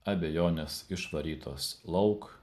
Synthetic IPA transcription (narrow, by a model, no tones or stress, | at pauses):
ɐbʲejoːnʲesɪʃʋɐɾʲiːt̪ʰoːslˠɒʊk